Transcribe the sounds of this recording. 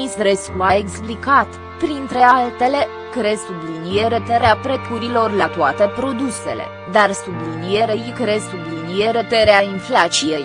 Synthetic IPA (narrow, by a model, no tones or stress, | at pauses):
isɾeskumaeksplikat̪ | pɾint̪ɾe̞alt̪e̞le̞ | kɾesublinie̞ɾet̪eɾeapɾe̞kuɾilo̞rlat̪oat̪e̞pɾo̞d̪use̞̰le̞̰ | d̪arsublinije̞ɾejkɾesublinije̞ɾet̪eɾeainflat͡ʃije̞j